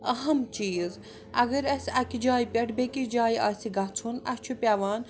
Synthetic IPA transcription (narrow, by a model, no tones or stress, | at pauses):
ɐɦɐmt͡ʃiːz | ɐɡəɾɐsʲɐkid͡ʒaːipʲɐʈbekid͡ʒaːjʔa̰ːsiɡɐt͡sʰunɐ̰kt͡ʃʰupʲaʋaːn